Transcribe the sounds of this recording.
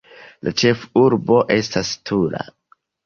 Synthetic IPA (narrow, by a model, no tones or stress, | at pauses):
lʔat͡ʃe̞fuɾbo̞ʔe̞stastʰuɾa̰